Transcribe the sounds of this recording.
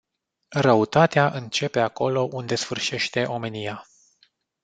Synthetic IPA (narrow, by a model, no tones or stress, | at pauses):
rəut̪at̪eaʔɨnt͡ʃe̞pe̞ako̞lo̞ʔund̪e̞sfɨrʃe̞ʃt̪e̞ʔo̞me̞nija